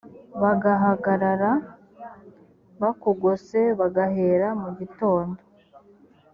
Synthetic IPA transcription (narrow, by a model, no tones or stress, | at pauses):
βaɡaɦaɡaɾaɾa | βakuɡose̞βaɡaheːɾamuɟito̞ːndo